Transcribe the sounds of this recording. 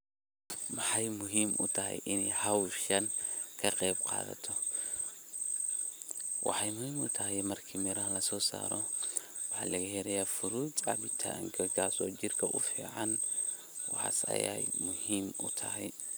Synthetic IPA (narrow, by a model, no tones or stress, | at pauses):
mɑħɑjmʊɦiːmʔʊ̰t̪ʰɐɦɛ̰jʔɪnɛjhɑwʃɐnkʰɐqɛbqɑ̰ːðɐ̰t̪ʰɔ | wɑ̰ħɑjmʊhiːmʊt̪ʰɐɦɛjmɐrkʰiːmɪɾɐɦɐlɐsɔːsa̰ːɾɔ | wɑħɑ̰ːlɐɣɐɦɛɾɐjaːfʊɾuːd̪ʕɑ̰βɪt̪ʰa̰ŋkʰɐɡaːsɔːt͡ʃɪrkʰɐʔʊfiːʕɑn | wɑħɑ̰ːsɐ̰jɛ̰jmʊhiːmʊ̰t̪ʰɐɦɛj